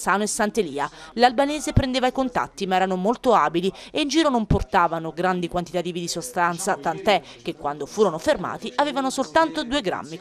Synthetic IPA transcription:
saːnoesːant̪eliːalalbaneːzepɾend̪eːvaikont̪a̰t̪ːimaɛːɾanomolt̪oaːbilieind͡ʒiːɾonomport̪aːvanoɡɾand̪ikwant̪it̪at̪iːvid̪isost̪ant̪sat̪ant̪ɛk̟ːekːwand̪ofuːɾonoferma̰ːt̪iʔaveːvanosolt̪ant̪od̪uːeɡɾa̰mːi

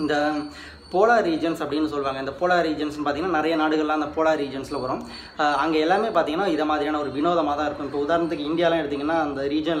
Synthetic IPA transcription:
ɪnd̪ɐ | poːlaːɾiːd͡ʒɐnsɐpːɐɽɪnːɯsɔlːʋaːŋɡɐɪnd̪ɐpoːlaːɾiːd͡ʒɐnsɛnːɯpaːɾiŋɡɐnːaːnɪɾɐjɐnaːɽɯɣɐɭlãːɪnd̪ɐpoːlaːɾiːd͡ʒɐnslɐʋɐɾʊ̃ | ɐŋɡeɛlːaːmeːpaːɾt̪iŋɡɐnːaːɪðɐmaːðɪɾijaːnɐɔɾɯʋɪnoːðɐmaːt̪ãːɪɾɯkːʊ̃ɪpːoːʊðaːɾnɐt̪ːɯkːɯɪnɖɪjaːlãːɛɽɯt̪ːiːŋɡɐnːaːɐnd̪ɐɾiːd͡ʒɐn

